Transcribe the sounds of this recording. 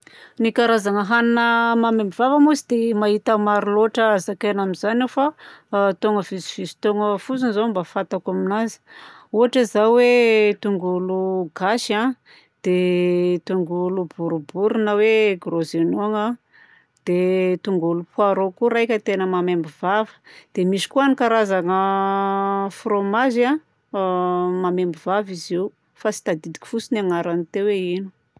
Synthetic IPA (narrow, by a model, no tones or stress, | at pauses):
nikaɾazaŋəɦaninəmamembivavəmuzid̪̥emaɦit̪əmaɾiloʈ͡ʂəzakenamizanufat̪oŋəviziv̥izi̥t̪oŋəfut͡sunzombafat̪akaminazi̥ | uaʈ͡ʂəzawet̪uŋɡuluɡaʃa | d̪̥et̪uŋɡulubuɾubuɾunəweɡrozenoŋa | d̪̥et̪uŋɡulupuaɾokuɾajkʲət̪enəmamembiv̥avə̥d̪̥emiʃi̥kuanikaɾazaŋə | fromaza | mamembivaviziw | fasi̥t̪ad̪id̪i̥kʲi̥fusinaŋaɾanit̪eweinu̥